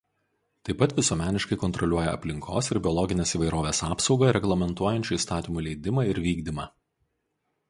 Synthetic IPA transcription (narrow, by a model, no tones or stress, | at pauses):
t̪ɐɪpɐt̪ʋʲɪsuɔmʲæːnʲɪʃkɐɪkɔnt̪ɾɔlʲuɔjɛɐ̰pʲlʲɪŋkʰo̰ːsɪɾbʲɪɔlˠɔɡʲɪnʲeːsiːʋɐɪɾoːʋʲeːsɑːpsɒʊɡɐɾʲɛɡlˠɐmʲɛnt̪uɔjɛnʲt͡ʃʲuːist̪ɑːt̪ʲɪmuːlʲɛɪd̪ʲɪmɑɪɾʋʲiːɡd̪ʲimɑː